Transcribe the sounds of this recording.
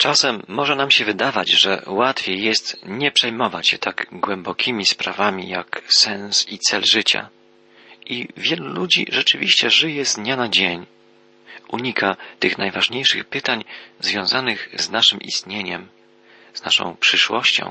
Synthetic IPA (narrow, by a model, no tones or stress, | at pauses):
t͡ʂasɛmːɔʐɛnamɕɛvɘd̪avad͡ʑʐɛ̰wat̪fʲjejːɛst̪ɲɛpʂɛjmɔvat͡ɕɕɛt̪ʰaɡɡwɛmbɔkʲʰimʲispɾavamʲḭjaksɛñsit̪sɛlʐɘt͡ɕa̰ | ʔivʲjɛlulud͡ʑḭʐɛt͡ʂɘvʲiɕt͡ɕɛʐɘjɛzɲanad͡ʑeɲ | ʔuɲikʰat̪ɘxnajvaʐɲejʂɘ̰xpɘt̪aɲzvʲjɔ̃w̃zanɘɣznaʂɘmʔḭst̪ɲeɲɛm | z̥na̰ʂɔ̰̃w̃pʂɘʂwɔɕt͡ɕɔ̰̃w̃